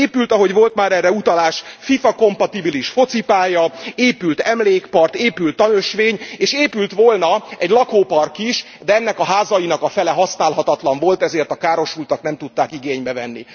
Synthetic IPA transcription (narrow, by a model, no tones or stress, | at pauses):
eːpylt̪ɒɦo̞ɟʋo̞lt̪maːɾɛrːɛut̪ɒlaːʃfifɒko̞mpɒt̪ibiliʃfo̞t̪sipaːjɒeːpylt̪ɛmleːkpɒrt̪eːpylt̪ːɒnøʃʋeːɲeːʃeːpylt̪ʋo̞lnɒɛɟlɒkoːpɒrkiʃ | d̪ɛɛnːɛkɒɦaːzɒjinɒkɒfɛlɛɦɒsnaːlɦɒt̪ɒt̪lɒɱvo̞lt̪ɛzeːrt̪ɒkaːɾo̞ʃult̪ɒknɛmt̪ut̪ːaːkiɡeːɲbɛvɛnːḭ